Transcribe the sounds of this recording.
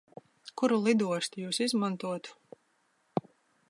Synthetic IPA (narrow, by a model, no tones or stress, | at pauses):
kuɾulˠid̪uɔʃt̪ijuːsizmãnt̪uɔt̪